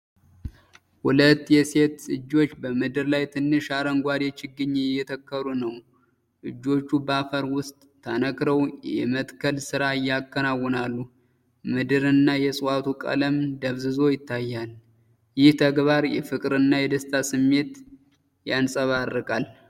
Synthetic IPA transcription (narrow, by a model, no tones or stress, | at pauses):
hulət̪ːjɛse̞t̪ɨd͡ʒːo̞t͡ʃːbəmɨd̪ɨɾlajt̪ʰɨnːɨʃaɾəŋɡʷad̪et͡ʃːɪɡɨɲːejːɛt̪ʰəkːəɾunəw | ʔɨd͡ʒːo̞t͡ʃːubafəɾwʊst̪ʼːʰanəkɾəwjɛ̰mət̪kʰəlsɨɾaɨjːakːənawːɔnalːu | mɨd̪ɨɾɨnːajɛsʼwat̪ʰukʼə̰ləmd̪əβzɨzo̞jɪt̪ʰːajːal | jɪht̪ʰəɡβaɾjɛ̰fɨkʼɾɨnːajɛd̪əst̪ʰasɨmːe̞t̪ | jansʼəβarːɨkʼal